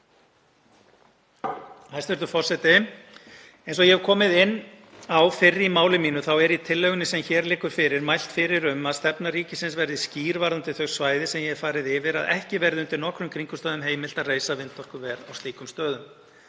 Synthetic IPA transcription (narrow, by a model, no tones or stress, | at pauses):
hajst̪vɛɾt̪ʏfɔr̥sɛt̪ɪ | ejnsɔɣjɛɛv̥kʰɔːmɪðɪnː | awfɪrːimaːwlɪmiːnʏθawɛɾit̪ʰɪlːœɣʏnɪsɛmçɛːɾlɪːkʏɾ̥fɪːɾɪɾmajl̥t̪fɪɾɪɾʏmaðst̪ɛpnaɾiːcɪsɪnsvɛɾðɪsciːɾvaɾðant̪ɪθœɣsvaːjðɪsɛmjɛɛɾfaːɾɪðɪvɪɾa̰ðɛ̰hcɪvɛɾðɪʏnt̪ɪɾnɔhkɾʏmkʰɾiŋkʏ̥st̪œːðʏmɦeːjmɪlt̪aðreːjsavɪnt̪ːɔr̥kʏvɛːɾawst̪iːkʏmst̪œːðʏm